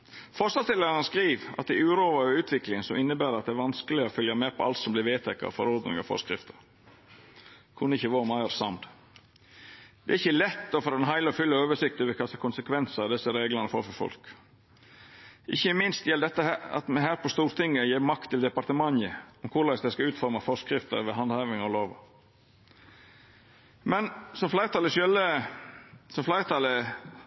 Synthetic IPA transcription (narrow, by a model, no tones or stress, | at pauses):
fɔʂɑlt̪ɪləɑəskɾiːʋɑ̰t̪ɪʉːɾoːʋɑɔʉːt̪ʰʋɪklɪŋsɔmɪnːəbæːɾɑt̪̚d̪ɛæɾʋɑnskəlɪɔfʏljɑmeːpʰɔɑ̰lt̪sɔmblɪɾʋeːt̪ʰɛkːɑ̰ɔ̰fɔɾɔɾd̪nɪ̰ŋɑ̰fɔ̰skɾɪ̰ft̪ə̥ɾ | kʰʉnːəɪçːəʋoːmɑɪɑɾsɑ̰md̪ | d̪̥ɛ̰ːɾɪçːəlɛt̪ːɔfɔɾɛnɦæɪləɔfʏlːəoːʋəʂɪkt̪ɛʋɪkʰɑst̪ɑkʰʊnsəkʰʋɛnsəɑʋd̪ɛsəɾeːɡlənəfɔ̰ɾfɔɾfɔ̰lk | ɪçːəmɪnst̪jɛld̪ɛt̪ːəhæːɾɑ̰t̪mɛɦæːɾpʰɔst̪uːɾt̪ʰɪŋːəjeːɾmɑkt̪ʰːɪld̪ɛpɑɾt̪əmɑŋəɔmkʰʊɾlɑsd̪ɛskɑʉːt̪fɔɾmɑfɔskɾɪft̪ə̰ɾʋɛɦɑnd̪hɑːʋɪŋɔloːʋɑ̰ | mɛnsɔmflæɪət̪ʰɑləʃœlə | sɔmflæɪɾət̪ʰɑlə